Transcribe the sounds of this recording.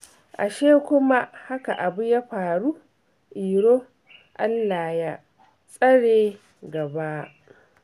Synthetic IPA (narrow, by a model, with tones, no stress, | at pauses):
ʔa˨ʃeː˦kʷʊ˦ma˦ha˦ka˨ʔa˨bu˦jaː˦ɸaː˨ɽu˦ | ʔiː˨ɽoː˦ | ʔa˦lːaː˨ja˦ | sʼɐ˦ɽeː˨ | ɡɐ˨ba˦